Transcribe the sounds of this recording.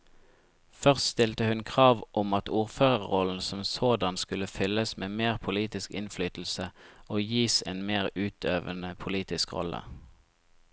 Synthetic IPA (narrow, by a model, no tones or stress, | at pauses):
fœʁst̪st̪ɪlt̪əhʉnkʰʁɑːʋʔɔmɑt̪uːʁføːʁəʁʁɔln̩sɔmsoːd̪ɑnskʉləfʏləsmeːmeːʁpʰʊliːt̪ɪskɪnflyːt̪l̩səʔoːjiːsḛːnmeːʁʉːt̪ʰøːʋənəpʰʊliːt̪ɪskʁɔ̰lə̰